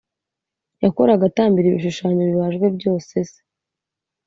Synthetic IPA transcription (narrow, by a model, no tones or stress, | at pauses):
jako̞ɾaɡataːmbiɾiβḭʃuʃaːɲoβiβaʒɡwe̞bɟo̞ːseze̥